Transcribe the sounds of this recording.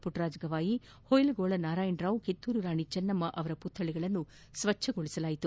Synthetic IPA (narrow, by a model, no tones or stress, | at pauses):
puʈɾaːd͡ʒɡɐʋaːji | hojlɡoːɭɐnaːɾaːjɐɳɖɾaːwket̪ːuːɾuɾaːɳit͡ʃɐnːɐmːɐʔɐʋɐɾɐput̪ʰːɐɭiɡɐɭɐnːu | sʋɐt͡ʃʰːɐɡoɭisɐlaːjit̪u